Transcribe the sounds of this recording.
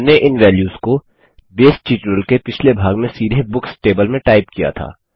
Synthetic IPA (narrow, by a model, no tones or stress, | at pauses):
neʔɪnʋɛːljuːsko | beːsʈt͡ʃiːʈɾəlkepɪt͡ʃʰlebʱaːɡmẽsiːɾebʊksʈeːbəlmẽʈaːɪp̚kija̰t̪ʰa̰ː